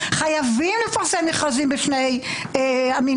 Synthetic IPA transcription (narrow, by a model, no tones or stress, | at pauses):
χajavimlɪfaʁsɛmeχazimbɪʃnej | ami